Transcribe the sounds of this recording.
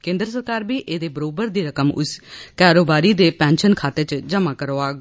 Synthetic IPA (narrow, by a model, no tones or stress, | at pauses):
kẽːnd̪əɾsəɾkaːɾbiːʔeːd̪eːbəɾoːbəɾd̪iːɾəkəmʊ̰skaːɾoːbaːɾiːd̪eːpɛ̃ːnʃənkʰaːt̪eːt͡ʃd͡ʒəmãːkəɾoːaː